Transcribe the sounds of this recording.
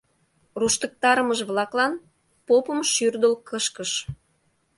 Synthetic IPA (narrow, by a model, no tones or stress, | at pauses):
ruʃt̪ək̚t̪ɑɾəməʒβlɑklɑn | popəmʃyrd̪əlkəʃkəʃ